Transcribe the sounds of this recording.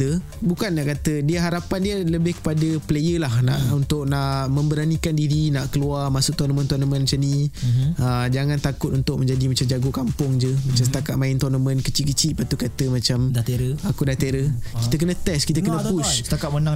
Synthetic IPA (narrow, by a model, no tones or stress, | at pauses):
ə | bukanːaʔkat̪ədiəɦaɾapandiələbɪhkə̥padəplejəlahna̰ʔunt̪ʊk̚naʔmə̃mbəɾanikandiɾinaʔkəluarmasʊʔ̚t̪ɔnəmə̃nt̪ɔnəmə̃nmt͡ʃanĩ | əd͡ʒaŋant̪akʊt̪unt̪ʊk̚məɲd͡ʒadimat͡ʃamd͡ʒaɡokampʊŋd͡ʒəmat͡ʃamsə̥t̪akaʔ̪̚maɪnt̪ɔnəmə̃nkət͡ʃiʔkət͡ʃiʔpat̪ukat̪əmat͡ʃamakudat̪eɾəkit̪ək̬ənə̃t̪ɛskit̪əkənə̃pusakamənaŋ